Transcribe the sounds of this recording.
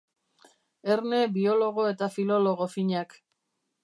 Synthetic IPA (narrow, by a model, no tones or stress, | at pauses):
e̞ɾne̞bio̞lo̞ɣo̞e̞t̪afilo̞lo̞ɣo̞fiɲak